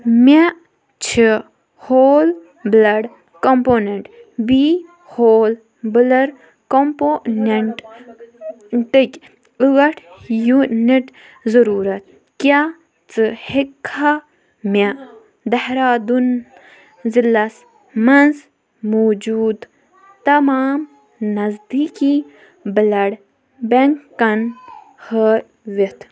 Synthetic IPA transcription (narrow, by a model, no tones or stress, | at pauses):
mʲa | t͡ʃʰi | hoːl | blɐɽ | kompoːneɳʈbi | hoːl | bɨlɐɾ | komponeɳʈ | ʈɨkʲ | ɨɣɐʈʰjuniʈ | zɐɾuːɾɐt̪̚ | kʲa | t͡sɨhikʰːa | ma | d̪ɐhɾaːd̪un | zilɐs | mɐnz | moːd͡ʒuːd̪ | t̪ɐmaːm | nɐzd̪iːki | bəlɐɽ | beŋkːɐn | hə | ʋit̪ʰ